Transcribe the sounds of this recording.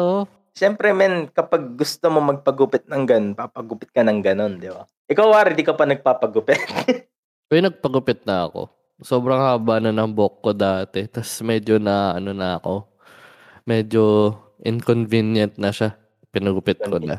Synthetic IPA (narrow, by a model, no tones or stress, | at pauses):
ʔo | ʃɛmpɾɛmɛnkɐpɐɡ̚ːʊst̪omomɐɡ̚pɐɡupɪt̪̚nɐŋɡɐnonpapɐɡupɪt̪̚kɐnɐŋɡɐno̞nd̪ɪba̰ | ʔɪkawaɾɪd̪ikɐwpɐnɐɡ̚papɐɡʊpɪt̪̚ | kojnɐɡ̚pɐɡʊpɪt̪̚nɐɐko̞̰ | so̞ːbɾɐŋhaːbanɐnɐŋboʔkːod̪aːt̪ɛt̪ɐsmɛd͡ʒo̞nɐʔɐno̞nɐɐko̞ | mɛd͡ʒo | ʔɪŋkonvinjɐnt̪̚nɐʃa | pɪnɐɡʊpɪt̪̚konɐ̰